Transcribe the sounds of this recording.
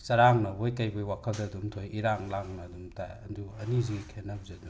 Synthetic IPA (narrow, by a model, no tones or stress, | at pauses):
sɐɾaŋnɐbojkɐjbojwakʰɐldɐdumtʰojiɾaŋlaŋnɐdumta̰jɐnduɐniziɡikʰenːɐb̚zedu